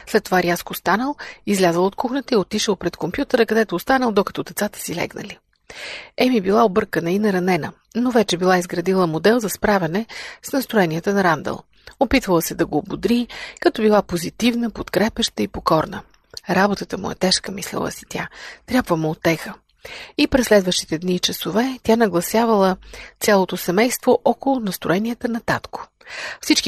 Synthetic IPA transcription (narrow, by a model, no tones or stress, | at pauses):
slɛt̪ːovaɾjaskost̪anəlˠizlʲazəlˠot̪̚kuxnət̪əiot̪iʃəlˠpɾɛt̪kompjut̪əɾəkɐd̪ɛt̪oːst̪anəlˠd̪okɐ̥t̪ɔd̪ɛt̪sat̪ə̥silɛ̰ɡnə̰li | ɛmibilˠaobɤɾkənəinɐɾɐnɛnə | novɛt͡ʃɛbilˠaizɡɾɐd̪ilˠəmod̪ɛlˠzɐspɾavɛnɛsnɐst̪ɾoɛniət̪ənɐɾand̪ə̰lˠ | opit̪vəlˠəsɛd̪ɐɡoːbod̪ɾikɐt̪ɔbilˠapozit̪ivnəpot̪kɾɛpɛʃt̪əipokɔɾnə̰ | ɾabot̪ət̪əmʊ̰ɛ̰t̪ɛʃkəmislɛ̰lˠə̰si̥t̪ʰʲat̪ɾʲjabvəmʊːt̪ːɛxə | ipɾɛsːlɛd̪vəʃt̪i̥t̪ɛd̪niːt͡ʃɐsovɛt̪ʲanɐɡlˠɐsjavəlˠət̪sʲalˠot̪osɛmɛjst̪voʔɔkolˠʊnɐst̪ɾoɛnʲiət̪ənɐt̪at̪ko̥ | fsit͡ʃki